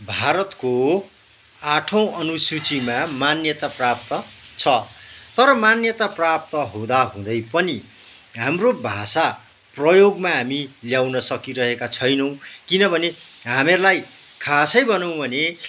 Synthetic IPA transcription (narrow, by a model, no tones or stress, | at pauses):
bʱaɾʌt̪ko | aʈʰʌ̃w̃ʌnusut͡simamanjʌt̪aprap̚t̪ʌt͡sʰʌt̪ʌɾʌmanjʌt̪aprap̚t̪ʌɦõd̪aɦũd̪ʌjpʌni | ɦamrobʱasa | prʌjoɡmaɦamiljawnʌsʌkiɾʌɦekat͡sʰʌjnʌw̃kinʌbʱʌneɦamerlaj | kʰasʌjbʌnʌw̃bʱʌne